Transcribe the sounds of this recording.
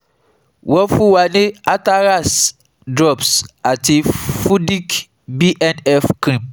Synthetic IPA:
wɔ˦fũ˦wa˨nĩ˦a˦ta˦ɾa˦˨s | dɾɔ˦˨bsa˨ti˨fu˦di˦k | bi˦ʔɛ˦nɛ˦fkɾĩ˨p̚

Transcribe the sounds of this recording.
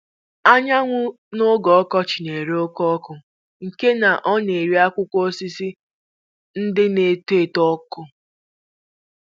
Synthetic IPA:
a˦ɲa˦ŋʷʊ˦ | nʊ˦ɡɔ˨ɔ˦kɔ˦t͡ʃɪ˨ne˨ɾe˦o˦kɔ˦kʊ˨ | ŋ̩˨ke˦na˨ʔɔ˦ne˨ɾi˦a˦kʷʊ˦kʷo˦si˦si˦ | n̩˦dɪ˦ne˨tu˦e˨tɔ˦kʊ˦

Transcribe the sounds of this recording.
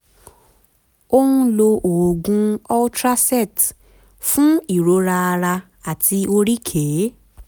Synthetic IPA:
o˦hũ˦lo˧ʔo˨ɡũ˦ɔ˦tɾa˦sɛ˦˨t | fũ˦i˦˨ɾo˨˧˦ɾa˧a˧ɾa˧ | a˨tʰi˧o˧ɾi˦kʰe˨˦

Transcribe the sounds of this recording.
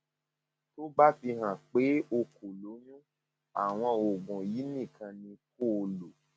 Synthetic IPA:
to˦ba˦fi˧ɦã˨k͡pe˨˦o˧ko˨lo˨˦nũ˦ | a̰˨w̃ɔ̃˧o˨ɡ͡bũ˨ji˨˦nĩ˦˨kʰã˧nĩ˧ko˦o˧lo˨

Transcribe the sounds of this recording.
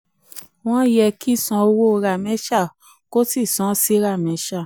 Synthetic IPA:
w̃ɔ̃˦jɛ˧ki˦˨sɔ̃˧o˧wo˦˧ɾa˨mɛ̃˨˦ʃa˦˨ | ko˦si˦˨sɔ̃˨˦si˦ɾa˦˨mɛ̃˨˦ʃa˦˨

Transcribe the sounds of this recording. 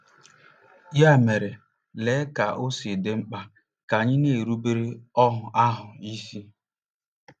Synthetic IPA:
ja˦˨me˨ɾe˨ | leː˨˦ka˨ʔo˦si˨de˦ŋ͡m̩˦k͡pa˦ | ka˨ɲɪ˦ne˨ɾu˦be˦ɾe˦ɔ˦ɦʊ˨ʔa˦ɦʊ˨i˦si˦

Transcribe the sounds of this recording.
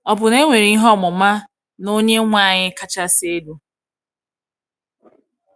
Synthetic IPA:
ɔ˨bʊ˨ne˦ŋʷe˨ɾi˨˦i˦ɦɔ˦˨mʊ˨ma˦ | no˦ɲe˦ŋʷa˦˨ɲɪ˦ka˨t͡ʃa˦se˦du˦

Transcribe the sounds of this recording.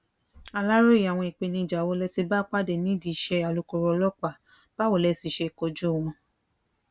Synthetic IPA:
a˧la˦ɾo˦i˨a˨w̃ɔ̃˧i˨k͡pe˧nĩ˧i˨d͡ʒa˨wo˧˦lɛ˧si˧ba˦k͡pa˦de˨nĩ˦di˧˨ʃɛ˧a˨lo˨˧ko˧ɾɔ˧lɔ˦k͡pa˦˨ | b̥a˦wo˦˨lɛ˧˦si˧ʃe˧˨ko˧d͡ʒu˦˨w̃ɔ̃˧

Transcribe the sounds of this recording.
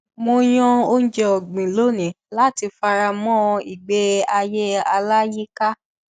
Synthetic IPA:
mo˧j̃ɔ̃˧o˦n̩˦d͡ʒɛ˧˨ɡ͡bĩ˨lo˦˨nĩ˨la˦˨ti˧fa˧ɾa˧mɔ̃˦˧i˨ɡ͡be˨˦a˧je˦a˧la˦ji˦ka˦

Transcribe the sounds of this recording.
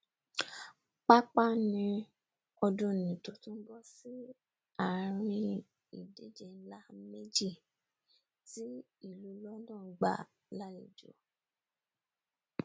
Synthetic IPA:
k͡pa˦k͡pa˦nĩ˧ | ɔ˧dũ˧˨nĩ˨to˨˦tũ˦bɔ˦si˦ | a˨ɾ̃ĩ˧ | i˨de˦d͡ʒe˧˦la˦me˦d͡ʒi˦˨ | ti˦ | i˦˨lu˨˦lɔ˦dã˦˨˦ɡ͡ba̰˨ | la˦le˨d͡ʒo̰˨˦

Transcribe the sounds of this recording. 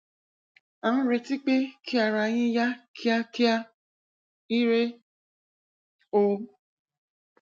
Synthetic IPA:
ã˨n̩˦ɾe˧ti˦k͡pe˦kʰi˦a˨ɾa˨˦jĩ˦ja˦kʰi˦a˦ki˦a˦ | i˦ɾe˦ | o˦

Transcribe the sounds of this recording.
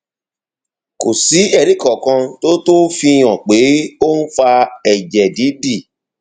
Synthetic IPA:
ko˨si˨˦ɛ˦˨ɾi˦kɔ˨kã˧to˦to˦fi˧j̃ɔ̃˨k͡pe˨˦o˦n̩˦fa˧ɛ˨d͡ʒɛ˨di˨˦bi˦˨

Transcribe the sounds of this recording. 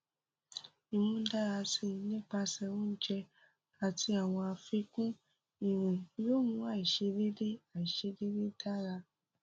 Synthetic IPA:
i˨mũ˧˦da˦ɾa˧si˦˨˦nĩ˦k͡pa˧sɛ˧wũ˦n˦d͡ʒɛ˧ | a˨ti˧˦a˦˨w̃ɔ̃˧a˧fi˧˦kũ˦ | i˨ɾ̃ũ˨jo˦mũ˦a˦˨i˨ʃe˧de˦de˦a˨i˨ʃe˧de˦de˦da˦ɾa˧

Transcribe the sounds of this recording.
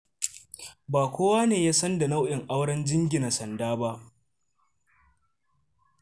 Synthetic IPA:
baː˨kʷoː˦waː˦neː˨jaː˦sɐ˦nda˨na˦wʔɪ˨ŋʔa˦wɽɐ˦nd͡ʒɪ˦ŋɡʲɪ˨na˨sɐ˨ndaː˦ba˦ʔ

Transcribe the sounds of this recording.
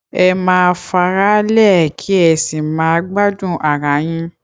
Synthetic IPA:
ɛ˧mãː˧˦˧fa˧ɾa˦lɛ˦˨kʰi˦ɛ˧˨sĩ˨mãː˧˦˧ɡ͡ba˦dũ˦˨ʔa˨ɾã˨˦j̃ĩ˧

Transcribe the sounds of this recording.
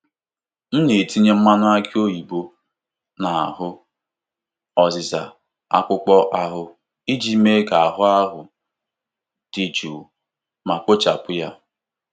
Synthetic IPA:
n̩˦ne˨ti˦ɲe˦m̩˦ma˦nʊ˦a˦ki˦o˦ji˨bo˦ | na˨a̰˨ɦʊ˦ | ɔ˨zɪ˨za̰˨ | a̰˦kʷʊ˦k͡pɔ˦ʔa˦ɦʊ˨ | i˦d͡ʒi˦me˦ka˨a˨ɦʊ˦a˦ɦʊ˨ | d̥i˨d͡ʒu˨ | ma˨k͡po˦t͡ʃa˨pʊ˦ja˦

